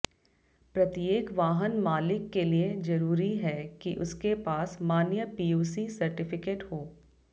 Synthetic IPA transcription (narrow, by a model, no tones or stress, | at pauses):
pɾɐt̪ijeːkʋaːɦənmaːlɪkːelied͡ʒɐɾuːɾiɦɛkiʔʊskepaːsmaːnjəpiːuːsisɐɾʈɪfɪkeːʈhoː